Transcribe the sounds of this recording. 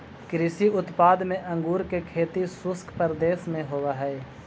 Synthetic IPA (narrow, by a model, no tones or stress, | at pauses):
kɾɪsiʊt̪paːd̪mẽʔɐ̃ŋɡuːɾkekʰeːt̪isʊskʰpəɾd̪eːʃmẽɦoːwaɦɛː